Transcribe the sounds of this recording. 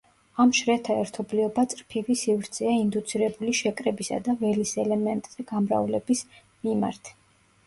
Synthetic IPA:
amʃɾɛt̪ʰaɛɾt̪ʰɔbliɔbat̪sʼɾpʰivisivɾt̪sʰɛaind̪ut̪sʰiɾɛbuliʃɛkʼɾɛbisa̰d̪avɛlisɛlɛmɛnt̪ʼz̥ɛɡ̥amɾa̰vlɛbis | mima̰ɾt̪ʰ

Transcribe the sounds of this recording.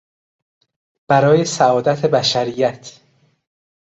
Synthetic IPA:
b̥æɾɒːje̞sæɒːd̪æt̪ʰebæʃæɾijæt̪ʰ

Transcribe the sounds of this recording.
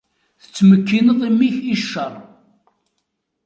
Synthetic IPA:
θə̥t͡sːməkːinəðˤimːiçiʃːərˤ

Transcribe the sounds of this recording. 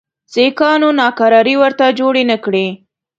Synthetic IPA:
sekɑnonɑkaɾɑɾiwəɾt̪ad͡ʒoɽenəkɽe

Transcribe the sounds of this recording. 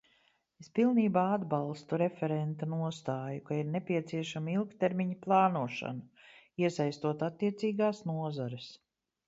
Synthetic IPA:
espilˠniːbaːad̪balˠst̪uɾefɛɾɛnt̪anuɔst̪aːjukaiɾnepʲiɛt̪siɛʃamilˠkt̪eɾmʲiɲaplˠɑːnuɔʃa̰nuiɛsajst̪uɔt̪at̪ːiɛt̪siːɡaːsnuɔzɔɾɪs

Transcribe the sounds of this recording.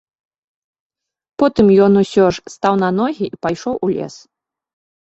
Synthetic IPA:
pɔt̪ɨmjɔnusʲɔʂst̪awn̪ɐnɔɣʲiʔipajʂɔwʔulʲɛ̰s

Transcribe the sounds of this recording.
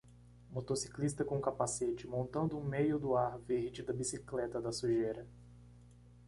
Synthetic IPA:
mot̪osi̥klist̪ɐkõkapaset͡ʃɪmõnt̪ɐ̃nd̪ʊũmejʊd̪ʊaɾveɾd͡ʒɪd̪ɐbisiklɛt̪ɐd̪ɐsuʒejɾɐ

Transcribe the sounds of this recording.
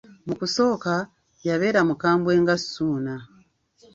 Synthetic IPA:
mukuso̞ːka | jaβe̞ːɾamukaːmbwe̞ːŋɡasuːna

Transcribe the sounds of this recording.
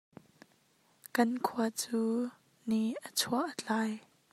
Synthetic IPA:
kɐnkʰuɐt͡suː | niʔət͡sʰuaʔət͡ɬaːj

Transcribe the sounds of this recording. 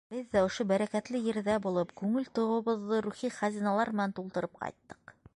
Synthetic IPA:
b̥ɘðːæŏʃobæɾækæt̪lɘjɘ̆ɾðæbulˠɤpkʉŋɘlt̪ŏʁɤ̆βɤ̆ðːɤɾuχiχæzinɑlˠɑɾmɘ̆nænt̪ulˠt̪ɤ̆ɾɤp̚qɑ̰jt̪ːɤ̥q

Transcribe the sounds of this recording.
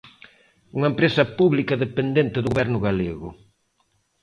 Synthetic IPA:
uŋɐempɾesɐpuβlikɐðepend̪ent̪ɪðʊβɛɾnʊɣaleɣʊ̰

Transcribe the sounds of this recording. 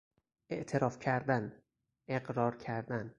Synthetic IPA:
ʔe̞ʔt̪ʰe̞ɾɒːfcʰæɾd̪æn | ʔeɡɾɒːɾcʰæɾd̪æn

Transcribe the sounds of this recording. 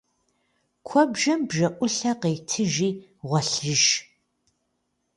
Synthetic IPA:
kʷʰɔbʒɐmbʒɐʔʷʊɬɐqejtʰɨʒiː | ʁʷɔɬɨʒ

